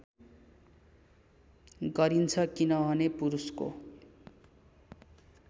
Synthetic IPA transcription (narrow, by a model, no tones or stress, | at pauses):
ɡʌɾint͡sʰʌkinʌbʱʌnepuɾusko̰